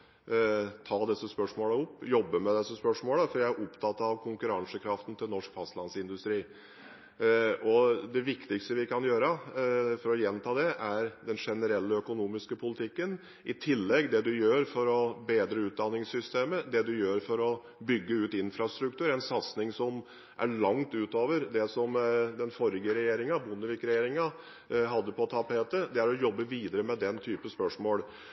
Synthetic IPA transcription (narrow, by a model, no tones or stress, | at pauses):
t̪ʰɑːd̪ɛsːəspœʂmoːləʊpːjɔbːəmɛd̪ɛsːəspœʂmoːləfɔɾjæɪæɾʔɔpt̪ʰɑt̪ːɑʋkʰʊŋkʉɾɑŋsəkʰɾɑft̪n̩t̪ʰɪlnɔʂkfɑst̪lɑnsɪnd̪ʉst̪ɾiː | ɔd̪ɛʋɪkt̪ɪkst̪əʋɪkɑnjøːɾəfɔɾɔjɛnt̪ʰɑːd̪ɛʔæɾd̪ɛnʂɛnəɾɛlːəœkʊnuːmɪskəpʰʊlɪt̪ʰɪkːən | ɪt̪ʰɪlːɛɡd̪ɛd̪ʉjøːɾfɔɾɔbeːd̪ɾəʉːt̪̚d̪ɑnːɪŋsʏst̪eːməd̪ɛd̪ʉjøːɾfɔɾɔ | bʏɡːəʉːt̪ɪnfɾɑst̪ɾʉk̚t̪ʰʉːɾæɪnsɑt̪snɪŋsɔm | ʔæ̰ɭɑŋt̪ʉːt̪oːʋəɾd̪ɛsɔmd̪ɛnfɔɾɪɡəɾɛjeːɾɪŋɑbʊnːəʋɪkɾɛjeːɾɪŋɑ | ɦɑd̪ːəpʰɔt̪ʰɑpheːt̪əd̪ɛæɾɔjɔbːəʋiːd̪əɾəmɛd̪ɛnt̪ʰyːpəspœʂmoːl